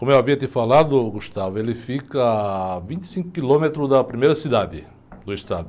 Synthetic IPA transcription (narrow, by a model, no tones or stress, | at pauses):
kõmʊewaviɐt̪ifalad̪ʊɡuʃt̪avʊelɪfikɐvĩnt̪i̥sĩŋkʊ̥kilõmet̪ɾʊzd̪ɐpɾimejɾɐsid̪ad̪ɪ | d̪ʊiʃt̪ad̪ʊ